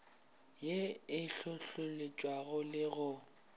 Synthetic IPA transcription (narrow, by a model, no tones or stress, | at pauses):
jeɪɬʊɬʊlet͡ʃʼwaɣʊlɪɣʊ